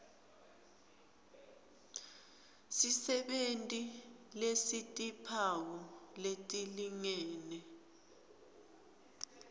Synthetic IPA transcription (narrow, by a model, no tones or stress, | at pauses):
sisɛɓentʼilesitʼipʰawɔletʼiliŋɛːnɛ